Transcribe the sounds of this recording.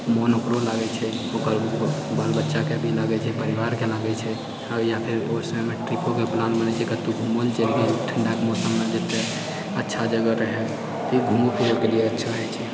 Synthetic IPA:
mɔnokɾolaɡɛt͡ʃʰɛ | okəɾbalbətːʃakebʱilaɡɛt͡ʃʰɛpəɾiʋaɾkelaɡɛt͡ʃʰɛ | ajapʰiɾoɾsəmɛmeʈɾipokeplãnʈbənɛt͡ʃʰekət̪uɡʱumənt͡ʃelɡeʈʰəɳɖakemosəmːed͡ʒet̪ːe | ətːʃʰad͡ʒəɡəɾəɦɛ | t̪iɡʱumopʰiɾokelieətːʃʰaɦɛt͡ʃʰɛ

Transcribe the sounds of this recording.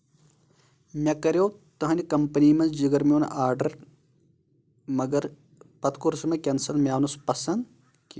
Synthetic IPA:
mʲɐkɐɾʲjoːt̪ɐɦɐnʲikɐmpɐniːmɐnd͡ʒiɡɐɾmʲeːn̰ʔaːɾɖɐɾ | mɐɡɐɾ | pɐt̪kuɾsmɐkʲɐnsɐlmʲaːʋnuspɐsɐnd̪ | k

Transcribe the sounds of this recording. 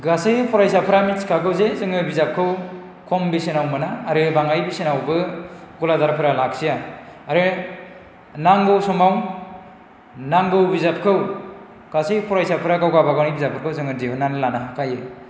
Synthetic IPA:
ɡasɯjpʰɔɾajsapʰɯɾamitskʰaɡɯwzezɯŋɯbizap̚kʰɯw | kʰɔmbisenawmɯnaːɾɯbaŋajbisenawbɯɡɔladaɾpʰɯɾalak̚sijaaɾɯ | naŋɡɯwsɔmaw | naŋɡɯwbizap̚kʰɯw | ɡ̥asɯjpʰɔɾajsapʰɯɾaɡawɡabaɡawnijbizapʰɯɾkʰɯwzɯŋɯdiɯnanlanaɦakʰaje

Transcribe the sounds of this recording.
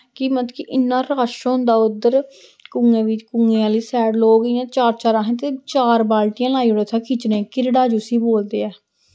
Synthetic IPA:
kiːmət̪kɪʔɪnːãːɾaːʃɦʊ̃nd̪aːʊd̪əɾ | kʊŋɡẽːʋɪt͡ʃkʊŋɡẽːãːliːsɛːɖloːɡəiːãːt͡ʃaːɾt͡ʃaːɾãːɦə̃t̪eːt͡ʃaːɾbaːlʈijãːlaːiːoɽeːt̪ʰaːkʰɪt͡ʃnẽːkɪɾɽaːd͡ʒʊsiːboːld̪eːɛː

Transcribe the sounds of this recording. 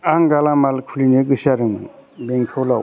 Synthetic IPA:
aŋɡalamalkʰulinɯɡɯsaɾɯŋ | beŋtʰola

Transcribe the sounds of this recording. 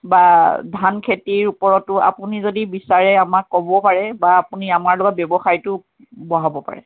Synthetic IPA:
badʱankʰetiɹupɔɹɔtʊa̰punizodibisaɹɛamakːɔbɔpaɹɛbaːpuniamaɹlʊɡabɔbɔxajtʊ | bɔɦabɔpa̰ɹɛ̰

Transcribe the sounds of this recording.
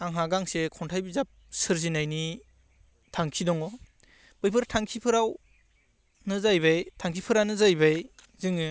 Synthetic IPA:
aŋɦaɡaŋsekʰɔntʰajbizap̚sɯɾzinajni | tʰaŋkʰidɔŋɔ | b̥ɯjbʰɯɾtʰaŋkʰipʰɯɾaw | nɯzajbajtʰaŋkʰipʰɯɾanɯzajbaj | zɯŋɯ

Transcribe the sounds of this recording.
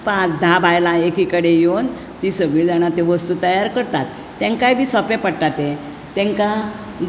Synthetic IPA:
pãt͡sd̪ʱabʱajlãekikəɽejon | t̪isəɡiɭd͡zañat̪eʋəst̪ut̪əjaɾkəɾt̪at̪ːɛ̃ŋkajbʱiːsɔpepəɽʈat̪ẽ | t̪ɛ̃ŋka

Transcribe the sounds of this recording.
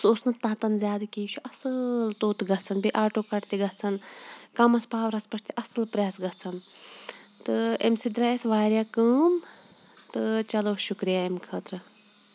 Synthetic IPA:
soːsnɨt̪ːãːt̪ɐnzʲjaːd̪kiːt͡ʃʰuʔɐsɨlt̪oːt̪ɡɐt͡sʰɐnbiʔaːʈoːkɐʈt̪iɡɐt͡sʰɐnkɐmɐspaːʋɾɐspɐʈʰt̪ʰiʔɐsɨlpɾʲjaːsɡɐt͡sʰɐn | t̪ɨemsid̪ɾaːesʋaːɾjaːkəːm | t̪ɨt͡ʃɐloːʃukɾijaemkʰəːt̪ɾɨ

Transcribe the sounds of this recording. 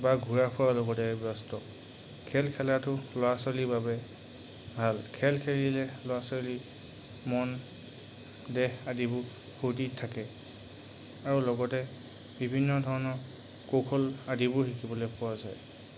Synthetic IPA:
baɡʱuɹaɹpʰʊwalɔɡɔtɛbɔstɔ | kʰɛlkʰɛlatʊlɔasɔlibabɛ | bʱalkʰɛlkʰelilɛlɔwasɔli | mɔn | dɛhadibʊɹ | xʰutitʰakɛ | aɹulɔɡɔtɛ | bibʱinːɔdʱɔɹɔnɔɹ | kokʰɔladibʊɹhikibɔlojpʊwazaj

